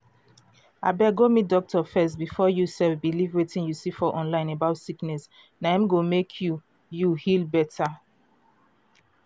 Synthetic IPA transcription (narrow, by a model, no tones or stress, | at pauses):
a̰bɛɡomidɔk̚tʰɔfɛs̬tbifɔjusɛfbilivɹetĩnjusifɔʔɔ̃nlãɪ̃nebaʊtsiknɛs | naãmɡomekʰju | juhilbɛtʰa